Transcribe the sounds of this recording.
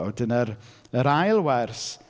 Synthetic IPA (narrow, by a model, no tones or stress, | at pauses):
dənəɾəɾajlˠwɛrs